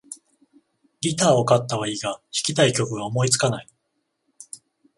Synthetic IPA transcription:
ɡʲit̪aːo̞kat̪ːaβaiːɡaçi̥kʲit̪aikʲo̞kɯ̟ɡaomo̞it͡sɨ̥kanai

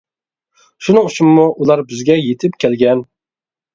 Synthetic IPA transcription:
ʃunɨŋut͡ʃumːuʔulˠɑɾbɪzɡʲɛjet̪ʰɪpkʲʰɛlɡʲɛn

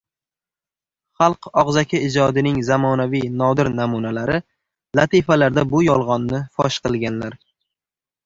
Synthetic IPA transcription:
χɑlˠqɒʁzakʲʰaɪd͡ʒɒd̪ɪnɪŋzamɒnavijnɒd̪ɪɾnamunalaɾɪ | lat̪ʰifalaɾd̪abʊjɒlˠʁɒnːɪfɒ̰ʃqɨlˠɡʲanlaɾ

